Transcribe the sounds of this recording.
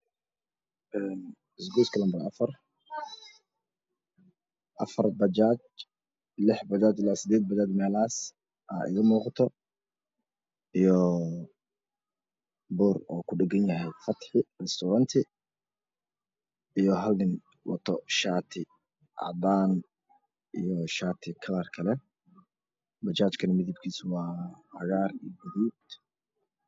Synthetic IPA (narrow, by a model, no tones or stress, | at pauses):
ʔɛːn | ɪsɡuːskʰɐlɐmbɐɾɐfɐr | ʔɐfɐrbɐd͡ʒaːt͡ʃ | lɪħbɐd͡ʒaːt͡ʃɪlaːsɪd̪ɛːd̪̚bɐd͡ʒaːd̪mɛːlaːs | ʔaːʔɪ̰ɣɐmuːqɑt̪ʰɔ | ʔijɔ | bʊrɔːkʰʊɖɛɡɐnjɐɦɛjfɐt̪ħɪrɛst̪ʰʊɾɐnt̪ʰɪ | ijɔɦɐlnɪn | wɑ̰t̪ʰɔʃaːt̪ʰɪ | ʔɑ̰d̪aːn | ʔijɔʃaːt̪ʰɪkʰɐlɐrkʰɐlɛ | bɐt͡ʃaːt͡ʃkʰɐnɐmɪðɪb̚kʰiːswɑːhɐɣaːrijɡɐðiːd̪